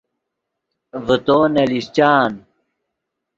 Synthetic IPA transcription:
vət̪oːnɐlist͡ɕaːn

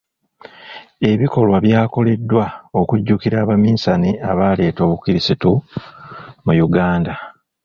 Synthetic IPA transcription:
e̞βiko̞lwaβjaːko̞le̞dːwao̞kuɟːuːkiɾaːβamiːsaniaβaːle̞ːto̞ːβukiɾisitu | mujuɡaːnda

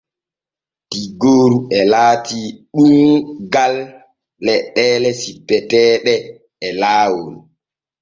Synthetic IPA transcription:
d̥iɡoːɾuɛlaːtiɗumɡalː | ɛɗːɛːlɛsipːɛtɛːɗɛ | ɛlaːwol

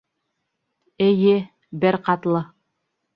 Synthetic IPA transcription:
ɘ̆jɘ | bɘɾqɑt̪lˠɤ

